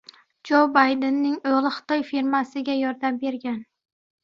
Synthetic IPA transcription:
d͡ʒowbajd̪ɪnːɪŋolˠɪχɨ̥t̪ʰɒjfiɾmasɪɡʲajɒɾd̪ambe̞ɾɡʲan

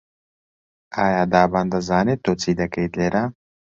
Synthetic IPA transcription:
aːjaːd̪aːband̪ɐzaːnet̪ot͡siːd̪ɐkɐjd̪leːɾa

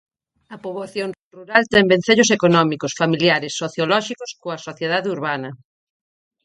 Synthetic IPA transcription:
ɐpoβaθjonruɾalt̪ɛŋbẽn̟θeʎʊsekonɔmikosfamiljaɾɪsːoθjolɔʃikoskoɐsoθjeð̞aðeuɾβanɐ

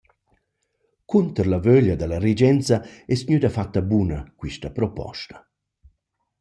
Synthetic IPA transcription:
kunt̪əɾlavøʎad̪alaɾid͡ʒɛnt͡saɛsɲyd̪afat̪ːabunakwiʃtapɾɔpɔ̰ʃt̪ḁ

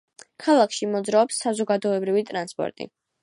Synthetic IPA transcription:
kʰalˠakʰʃimɔd̪zɾaɔpsːazɔɡad̪ɔɛbɾivit̪ʼɾanspʼɔ̰ɾt̪ʼḭ

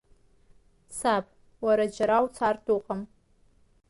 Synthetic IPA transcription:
sapʼ | waɾad͡ʒaɾawt͡sʰartʰʼuqʼam

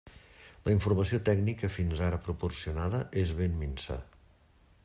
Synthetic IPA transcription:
ləiɱfurməsiot̪ɛɡnikəfinzaɾəpɾupursiunaðəʔezβemminsa̰

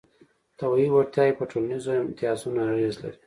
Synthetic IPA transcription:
t̪abaiwaɾt̪jɑjepəʈʰolanizoɪmt̪ɪɑsunaaɣezla̰ɾi

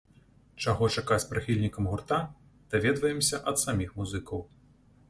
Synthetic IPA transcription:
t͡ʂaɣɔt͡ʂakat͡sʲpɾɨxʲilʲnʲikɐmɣurt̪a | d̪̥avʲɛd̪vɐjɛmsʲɐʔɐt̪samʲixmuzɨkɐw

